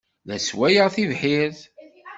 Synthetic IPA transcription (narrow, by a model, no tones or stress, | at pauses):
ðæswæjəʁθivħɪɾθ